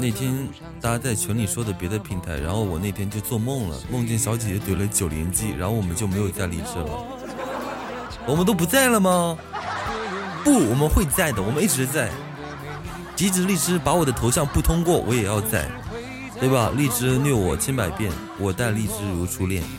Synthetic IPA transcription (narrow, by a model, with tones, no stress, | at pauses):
ne˥˩ɪt̪ʰjɛ˥n | t̪a˥˧a˥t͡sa˥˩ɪt͡ɕʰɥɛ˧˥nli˨˩ʂwɔ˥d̪ə˨pjɛ˧˥d̪ə˧pʰi˧˥nt̪ʰa˧˥ɪɻa˧˥nxo˥˩ʊwɔ˨˩ne˥˩ɪt̪ʰjɛ˥nt͡ɕjo˥˧ʊt͡swɔ˥˧mɤ˥˩ŋlə̰˩mɤ˥˧ŋt͡ɕnɕjɑ˧˥ʊt͡ɕi˨˩jɛ˧˥t̪we˨˩ɪlə˦t͡ɕjo˨˩ʊljɛ̰˧˥nt͡ɕi˥ɻa̰˧˥nxo˥˩ʊwɔ˨˩mə˦t͡ɕjo˥˩ʊme˧˥ɪjo˨˩ʊt͡sa˥˧ɪlḭ˥˩ʈ͡ʂɻ̩˧˥lə̰˨ | wɔ˨˩mə˦nt̪̬o˥ʊp̬u˧˥t͡sa˥˩ɪlə˩mɐ˩ | pu˥˩wɔ˨˩mə˦nxwe˥˧ɪt͡sa˥˩ɪd̪ə˩wɔ˨˩mə˦ni˥˩ʈ͡ʂɻ̩˧˥t͡sa˥˩ɪ | t͡ɕi˧˥ʈ͡ʂɻ̩˧˥li˥˩ʈ͡ʂɻ̩˥pa˧˥wɔ˨˩d̪ə˦t̪ʰo˧˥ʊɕjɑ˥˧ŋpu˥˩t̪ʰʊ˥ŋkwɔ˥˩wʔɔ˧˥jɛ˨˩jɑ˥˧ʊt͡sa˥˩ɪ | t̪we˥˩ɪbɐ˩li˥˩ʈ͡ʂɻ̩˥nɥɛ˥˩wɔ˨˩t͡ɕʰjɛ˥npa˨˩ɪpjɛ˥˩n | wɔ˨˩t̪a˥˧ɪli˥˩ʈ͡ʂɻ̩˥ɻu˧˥ʈ͡ʂʰu˥ljɛ̰˥˩n